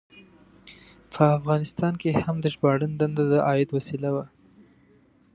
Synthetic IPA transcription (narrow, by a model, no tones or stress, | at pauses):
pʰəafɣɑnɪst̪ɑnkehamd̪əʃbɑɽənd̪and̪ad̪əʔɑjɪd̪wasilawa